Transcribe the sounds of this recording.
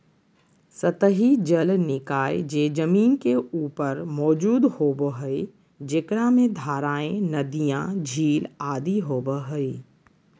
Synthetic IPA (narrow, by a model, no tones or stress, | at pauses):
sət̪əɦid͡ʒəlnɪkaːjd͡ʒeːd͡ʒəmiːnkeuːpəɾmɔːd͡ʒuːd̪hoːbəɦəi | d͡ʒekɽamẽd̪ʱaːɾaːẽnɐd̪ijãd͡ʒʱiːlaːd̪iɦoːbəɦəi